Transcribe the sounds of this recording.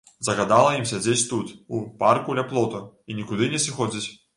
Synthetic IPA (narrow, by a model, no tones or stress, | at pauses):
zɐɣad̪alˠɐjimsʲad͡zʲet͡sʲt̪ut̪uparkulʲaplˠɔt̪ɐinʲikud̪ɨnʲɛsʲixɔd͡zʲit͡sʲ